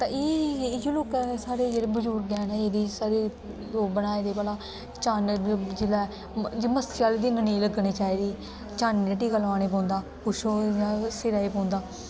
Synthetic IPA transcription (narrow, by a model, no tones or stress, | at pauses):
t̪ã̰ːeːd͡ʒoːloːkɛsaːɾeːd͡ʒeːɽeːbəd͡ʒʊɾkɡɛ̃ːnɛːeːd̪iːsaːɾeː | loːkbənaːeːd̪eːpaːlaː | t͡ʃaːnd͡ʒɪlɛː | d͡ʒeːməskiaːlːd̪inənĩːləɡniːt͡ʃaːiːd̪iː | t͡ʃaːnːəʈiːkəlʋaːneːp̬ɔ̃ːnd̪aː | kʊʃʰõːjãːsɪɾaːeːpɔ̃ːnd̪aː